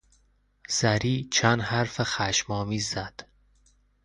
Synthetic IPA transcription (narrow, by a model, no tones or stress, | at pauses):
z̥æɾiːt͡ʃʰænd̪hæɾfexæʃmɒːmiːzːæd̪̥